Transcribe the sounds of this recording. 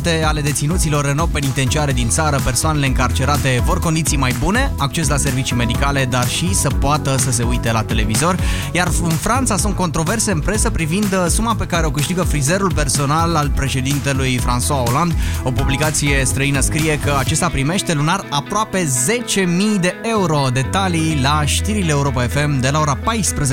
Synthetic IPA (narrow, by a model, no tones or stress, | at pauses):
t̪e̞ale̞d̪e̞t̪sinut̪silo̞rːeno̞wpenit̪e̞nt͡ʃiaɾe̞d̪int̪saɾəpe̞rsoane̞leɨŋkart͡ʃe̞ɾat̪e̞vo̞rko̞nd̪it̪sijmajbune̞ak̚t͡ʃe̞s̬lase̞rvit͡ʃijme̞d̪ikale̞d̪arʃisəpoat̪əsəs̬e̞ujt̪e̞lat̪e̞le̞vizo̞rʲ | jarɨnfɾant̪sasunt̪̚ko̞nt̪ɾo̞ve̞rse̞ɨnpɾe̞səpɾivind̪sumape̞kaɾe̞o̞kɨʃt̪iɡəfɾize̞ɾulpe̞rso̞nalalpɾe̞ʃe̞d̪int̪e̞lujfɾanswao̞land̪o̞publikat̪sije̞st̪ɾəinəskɾije̞kəat͡ʃe̞st̪apɾime̞ʃt̪e̞lunarapɾoape̞ze̞t͡ʃe̞mijd̪e̞ʔe̞uɾo̞d̪e̞t̪alijlaʃt̪iɾileeuɾo̞pae̞fe̞md̪e̞lao̞ɾapajspɾəze